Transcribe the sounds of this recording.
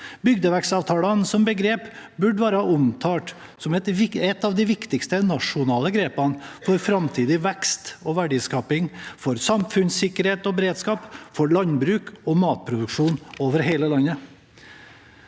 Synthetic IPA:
bʏɡd̪əʋæksɑːʋt̪ʰɑːlɑnsɔmbəɡɾeːpbʉɖʋɑːɾəhɑʊmt̪ʰɑːʈ | sɔmɛt̪ʋɪɛt̪ːɑːʋd̪ɪʋɪkt̪ɪkst̪ənɑʂʊnɑːləɡɾeːpɑnfɔɾfɾɑmt̪ʰiːd̪ɪʋɛkst̪ɔʋæɖiːskɑːpɪŋfɔɾsɑmfʉnsɪkːəɾheːt̪ɔbəɾeːd̪skɑːpfɔɾɭɑnbɾʉːkɔmɑːt̪̚pʰɾʊd̪ʉkʂuːnoːʋəɾɦeɪləlɑnə

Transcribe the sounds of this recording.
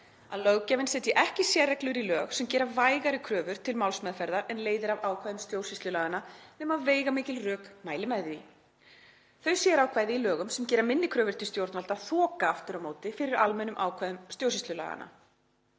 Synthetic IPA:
aðlœɣcavɪnsɛːt̪jɪʔɛhcɪsjɛrːɛklʏɾilœːɣsɛmcɛːɾavaːjɣaɾɪkʰɾœːvʏɾ̥t̪ʰɪlmawlsmɛðfɛjɾðaɾɛnleːjðɪɾavaːwkʰvajðʏmst̪joːwsist̪lʏlaːɣanːanɛːmaveːjɣamɪːcɪlrœːkmaːjlɪmɛði | θœɥsjɛɾawkʰvaːjðɪilœːɣʏmsɛmcɛːɾamɪnːɪkʰɾœːvʏɾt̪ʰɪlst̪jowɾt̪nalt̪aθɔːkaaft̪ʏɾamoːwt̪ɪfɪɾɪɾalmɛnːʏmʔa̰ːwkʰvaðʏmst̪joːws̬ist̪lʏla̰ːɣa̰na̰

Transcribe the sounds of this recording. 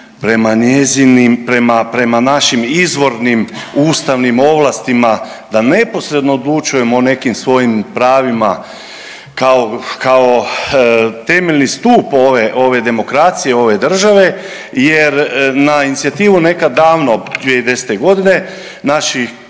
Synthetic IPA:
pɾemaɲezinimpɾemapɾe̞manaʃimizʋo̞ɾnimuːst̪aʋnimo̞ʋlˠast̪ima | d̪ane̞po̞sɾe̞d̪no̞ːd̪lˠut͡ʃuje̞mone̞kimsʋo̞jimpɾaːʋima | kaokao̞ | t̪e̞meʎnist̪uːpoʋeʔo̞ʋe̞d̪e̞mo̞kɾaːt̪sijeo̞ʋe̞d̪r̩ʒaʋe̞ | je̞ɾnainit̪sijat̪iːʋune̞kad̪ːaːʋnod̪ʋied̪e̞set̪eɡo̞d̪ine̞ | naʃi

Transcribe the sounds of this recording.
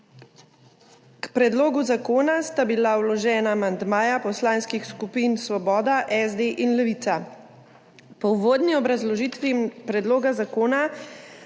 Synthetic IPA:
kpɾɛd̪loːɡuzakoːnast̪abilawlɔʒɛːnaːmand̪maːjapɔslaːnskixskupiːnsʋɔbɔːd̪aʔɛzd̪eʔinlɛʋit̪sa | pɔwʋoːd̪niɔbɾazlɔʒit̪ʋipɾɛd̪loːɡazakoːna

